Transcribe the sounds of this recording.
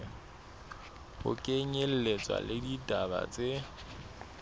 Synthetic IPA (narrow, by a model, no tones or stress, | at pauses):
hʊ̰kʼeɲel̩let͡sʼwa̰lɪditʼaba̰t͡sʼe